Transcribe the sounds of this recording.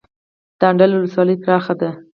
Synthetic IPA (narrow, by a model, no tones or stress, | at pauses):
d̪̥aɳɖalwʊləswɑləjp̪ɾɑxad̪a